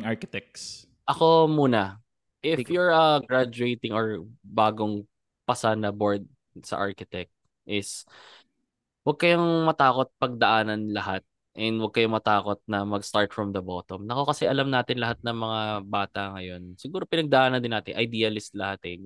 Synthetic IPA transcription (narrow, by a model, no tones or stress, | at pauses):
aɹkɪt̪ɛk̚s | ʔɐko̞muːnɐ | ʔɪfjuɹɐɡɹad͡ʒuet̪ɪŋoɹbaːɡoŋ | pɐsanːɐboɹd̪̚ | sɐ̰ʔa̰ɹkɪt̪ɛk̚t̪̚ | ʔɪs | wɐɡ̚kɐjoŋmɐt̪aːkot̪̚pɐɡ̚d̪ɐʔaːnɐnlɐhat̪̚ | ʔɛnd̪wɐɡ̚kɐjoŋmɐt̪aːkot̪̚nɐmɐɡst̪aɹt̪fɹɐmd̪ɐbot̪omnɐko̞kɐsɛʔɐlamnaːt̪ɪnlɐɦat̪̚nɐŋmɐŋabaːt̪ɐŋɐjo̞nsɪɡuːɾo̞pɪnɐɡ̚d̪ɐʔaːnɐnd̪ɪnaːt̪ɪ̰ʔɐjd̪iːɐlɪst̪lɐhat̪ɛ